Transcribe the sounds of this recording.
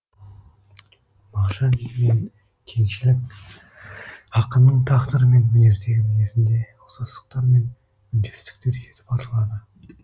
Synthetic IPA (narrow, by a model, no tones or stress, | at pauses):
mɑqʃɑnʒmeŋ | kʲʰe̞ŋʃɪlɪk̚ | ɑqənːəɴt̪ʰɑqt̪əɾəme̞nmʏne̞ɾd̪e̞ɡʲɪmɪnesɪnd̪e̞ | osɑsə̥q̚t̪ɑɾme̞n | ʏnd̪est̪ɪ̥k̚t̪e̞ɾʒe̞t̪ʰɪ̥pɑɾəlˠɑd̪ə